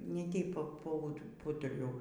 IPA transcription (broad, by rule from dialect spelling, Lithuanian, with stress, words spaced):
ˈnʲɛ ˈtʲɛɪp ˈpɐ ˈpɐ pˈuːtʊrʲɛʊ